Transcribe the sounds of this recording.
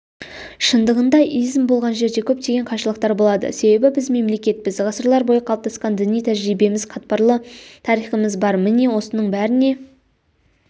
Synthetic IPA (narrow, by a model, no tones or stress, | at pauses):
ʃənd̪əʁənd̪ɑʔijzɪmbo̞lˠʁɑnʒe̞ɾd̪e̞kʲʰɵp̚t̪e̞ɡʲe̞ɴqʰɑʃəlˠəq̚t̪ɑɾbo̞lˠɑd̪ə̰se̞be̞bɪbɪzme̞mle̞kʲe̞t̪̚pɪzʁɑsəɾlˠɑɾbo̞jəqʰɑlˠp̚t̪ɑsqɑnd̪ɪnijt̪ʰæʒɾijbe̞mɪz̥qʰɑt̪̚pɑɾlˠət̪ʰɑɾijχəməzbɑɾmɪne̞wo̞sənəɴbæɾɪne̞